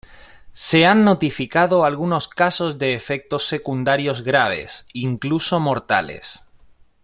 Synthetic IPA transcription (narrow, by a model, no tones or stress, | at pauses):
se̞anːot̪ifikaðoalɣuno̞skaso̞zðe̞ːfe̞k̚t̪o̞sːe̞kund̪aɾjo̞zɣɾaβ̞e̞̰siŋkluso̞moɾt̪a̰le̞̰s